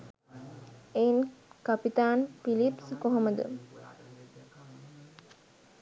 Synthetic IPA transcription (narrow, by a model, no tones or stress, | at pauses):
enkapit̪aːnfilipskoɦoməd̪ə̰